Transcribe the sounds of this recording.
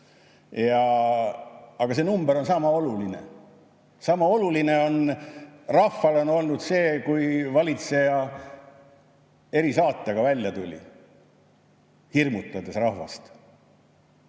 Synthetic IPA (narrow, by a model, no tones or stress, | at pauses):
jɑ | ɑɡ̥ɑse̞numbeɾo̞nsɑmɑo̞lulinḛ | sɑmɑo̞luline̞o̞n | rɑfːɑlo̞no̞lnud̪̥se̞ːkujvɑlʲit̪se̞jɑ | e̞ɾisɑːt̪ˑːɑɡ̥ɑvælʲjɑt̪ulʲḭ | hirmut̪ːˑɑd̪e̞srɑhvɑ̰st̪